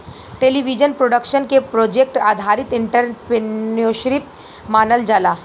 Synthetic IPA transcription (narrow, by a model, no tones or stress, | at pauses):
ʈeliʋid͡ʑənpɾoɽəkʃənkepɾod͡ʑek̚ʈad̪ʱaɾit̪iɳʈəɾpenjoɕɾip̚ | manəld͡ʒala